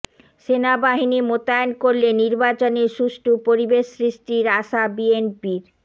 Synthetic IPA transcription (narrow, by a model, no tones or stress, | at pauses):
ʃenabaɦinimot̪aenkoɾleniɾbat͡ɕoneɾʃuʃʈupoɾibeʃsɾiʃʈiɾaʃabienpiɾ